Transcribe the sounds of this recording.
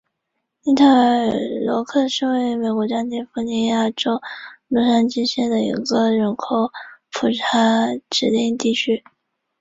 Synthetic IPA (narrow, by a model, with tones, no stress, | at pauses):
ni˥t̪ʰa˥˩əə˞˨˩˨lwɔ˧˥kʰɤ˥˧ʂɻ̩˥˧we˥˩ɪme˨˩ɪkwɔ˧˥t͡ɕjɑ˥ŋt̪jɛ˥nfu˧˥ni˧˥ja˥˩ʈ͡ʂo˥ʊlu˥˩ʂa˥nt͡ɕi˥nɕjɛ˥˩nd̪ə˩ḭ˧˥ɡə˧ɻə˧˥nkʰo˧˩ʊpʰu˨˩ʈ͡ʂʰa˧˥ʈ͡ʂɻ̩˨˧˩t̪i˥˧ŋt̪i˥˩t͡ɕʰy˥